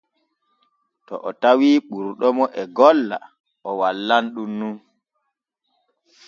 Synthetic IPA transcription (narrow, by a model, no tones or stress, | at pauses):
tɔ̰ʔɔtawiːɓuɾɗɔmɔʔɛɡɔlːa̰ | ʔɔwalːanɗunːun